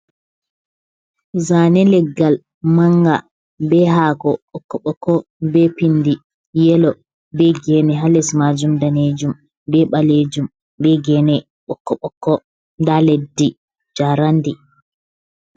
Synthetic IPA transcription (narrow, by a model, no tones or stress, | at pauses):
zanɛlɛɡːal | maŋɡa | bɛɦaːɡɔɓɔkːɔɓɔkːɔ | bɛpindi | jɛlɔ | bɛɡɛnɛɦalɛsmad͡ʒumdaned͡ʒum | bɛɓaled͡ʒum | bɛɡɛnɛ | ɓɔkːɔɓɔkːɔ | ndaledːi | d͡ʒaɾandi